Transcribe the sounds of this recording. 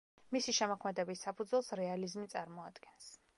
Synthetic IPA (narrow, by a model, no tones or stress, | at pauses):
misiʃɛmɔkʰmɛd̪ɛbisːapʰud̪zwɛlˠsɾɛalizmit̪sʼaɾmɔad̪ɡɛns